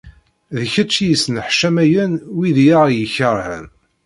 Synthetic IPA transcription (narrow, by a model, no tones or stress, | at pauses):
ðəçæt͡ʃːjisənħʃæmæjænwiðjaʁjəçəɾˤhə̰n